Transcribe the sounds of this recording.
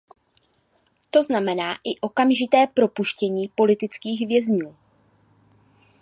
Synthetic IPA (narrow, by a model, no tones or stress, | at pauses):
t̪o̞znamɛnaːʔɪʔo̞kamʒɪt̪ɛːpɾo̞puʃcɛɲiːpo̞lɪt̪ɪt͡skiːɣvjɛzɲuː